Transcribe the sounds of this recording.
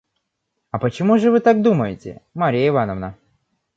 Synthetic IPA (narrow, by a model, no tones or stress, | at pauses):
ɐpət͡ɕɪmuʐɨvɨt̪ak̚d̪uməjɪtʲɪ̰maɾʲijəɪvanəvnə